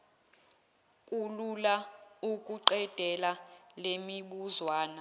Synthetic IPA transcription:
kʼululaukʼuǃɛd̥ʱɛlalemiɓuzwaːna

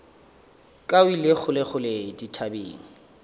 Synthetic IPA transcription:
kʼawilɪχʊlɪχʊleditʰabḛːŋ̩

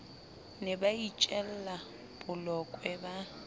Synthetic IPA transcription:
nɛbait͡ʃʼɛl̩la | b̥ʊlɔkʼwɛba

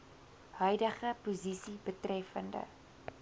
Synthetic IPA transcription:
hœɥdəχəpuzisibətrɛfəndə̰

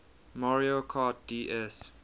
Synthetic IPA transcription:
mɔɹiəkʰat̚diʔɛs

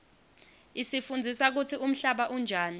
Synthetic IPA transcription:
isifund͡zʱisak̬utt͡sʰiʔum̩ɬaɓaʔund͡ʒʱaːni

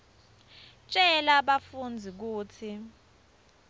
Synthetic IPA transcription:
t͡ʃʼɛlaɓafund͡zʱik̬uːt͡sʰi

